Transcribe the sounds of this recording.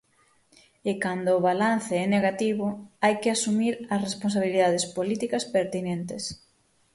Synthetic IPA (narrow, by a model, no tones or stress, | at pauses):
ɪkand̪oːβalan̟θɪɛneɣat̪iβʊajkɪasumiɾɐsrespons̬aβiliðaðespolit̪ikɐspeɾt̪inent̪ɪs